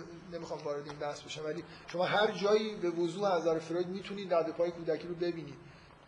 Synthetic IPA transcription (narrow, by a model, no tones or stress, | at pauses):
ne̞mixɒːmvɒːɾe̞d̪e̞iːnbæhsbeʃæmvæliːʃo̞mɒːɦæɾd͡ʒɒːjiːbe̞vozuːeæzæɾefeɾod̪miːt̪ʰuniːd̪dæʁd̪e̞pʰɒːjekʰuːd̪æcʰiːɾobe̞biːniːd̪̥